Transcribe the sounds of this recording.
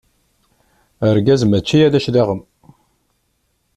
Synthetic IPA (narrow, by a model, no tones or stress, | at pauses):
əɾɡæzmæt͡ʃːijæðæʃðiʁəm